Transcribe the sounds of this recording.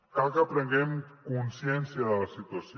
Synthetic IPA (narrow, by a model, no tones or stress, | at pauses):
kakəpɾəŋɡemkunsjɛnsjaðəlasit̪was